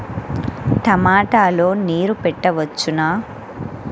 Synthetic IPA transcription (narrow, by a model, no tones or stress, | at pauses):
t̪ɐmaːʈaːlo̞ːniːɾupɛʈːɐʋɐt͡ʃːunaː